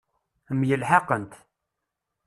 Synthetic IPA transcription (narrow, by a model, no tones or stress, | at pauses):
əmjəlħɑqənt̪